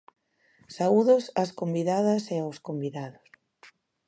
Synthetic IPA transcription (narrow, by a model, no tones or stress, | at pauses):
sauðosaskombiðaðɐseoskombiðaðos